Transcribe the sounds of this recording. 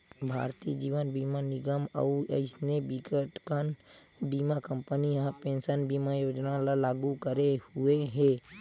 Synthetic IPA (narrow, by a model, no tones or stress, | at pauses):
bʱa̰ːɾt̪iːd͡ʒiːʋənbiːmanɪɡəmə̰ə̰ɪsnebikəʈkən | biːmakə̃mpəniɦəpẽːnsənbiːmajoːd͡ʒnalalaːɡukəɾehueɦɛː